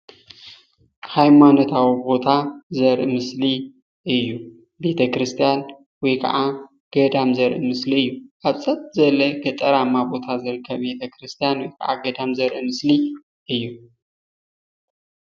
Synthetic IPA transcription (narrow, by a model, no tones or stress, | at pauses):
hajmano̞t̪ʰawibo̞t̪ʰazɐɾʔɨmɨsli | ʔɨjːu | be̞t̪ʰɐkʰɾɨst̪ʰijan | wɔjkʰɐ̰ʔa | ɡ̥ɐd̪amzɐɾʔɨmɨsliɨjːuʔaβsʼɐt̪̚ʼzɐlːɐɡɐt̪ʼɐɾamːabo̞t̪ʰazɨɾɨkʰːɐβbe̞t̪ʰɐkɾɨst̪ʰijanwɔjkʰɐʔa̰ɡɐd̪amzɐɾʔɨmɨsli | ʔɨjːu